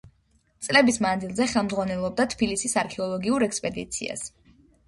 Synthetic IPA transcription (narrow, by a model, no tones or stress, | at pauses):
t̪sʼlɛbismand̪zilˠzɛχɛlˠmdzʁwanɛlˠɔb̚d̪at̪ʰbilisisaɾkʰɛɔlˠɔɡiuɾɛkspʼɛd̪ḭt̪sʰḭa̰s